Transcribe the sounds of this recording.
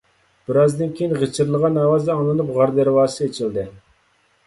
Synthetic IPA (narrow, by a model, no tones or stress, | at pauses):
b̥ɪɾɑzd̪ɪnkʲʰejinʁət͡ʃʰɪɾlˠəʁɑnɑwɑzd̪ɑŋlˠɨnupʁɑɾd̪ɨɾwɑːseet͡ʃʰild̪ɪ